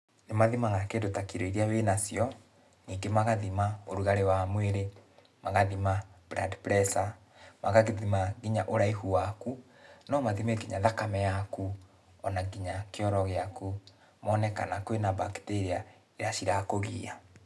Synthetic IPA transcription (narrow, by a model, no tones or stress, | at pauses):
nemaðimaɣakedotakiɾoiɾeawenasjɔ | niːŋɡemaɣaðimaoɾuɣaɾewamweɾe | maɣaðimab̥ɾa̰dpɾɛsa | maɣaɣiðimaɡiɲaʔoɾaihuwaku | nɔmaðimeɡiɲaðakamɛjaku | ɔnaɡiɲakeɔɾɔɣeaku | mɔːnɛka̰nakwenabakteɾia | eɾaʃiɾakoɣḭa